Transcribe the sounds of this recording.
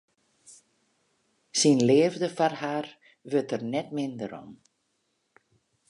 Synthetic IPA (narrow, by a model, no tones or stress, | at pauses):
sinleːvdəfarhaːr | ʋøtərnɛtmɪndəɾɔ̰m